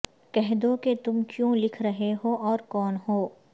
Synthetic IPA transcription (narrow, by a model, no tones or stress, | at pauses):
kɛɦd̪oket̪ʊmkjõlɪkʰɾɐɦeɦoʔɔːɾkɔːnɦoː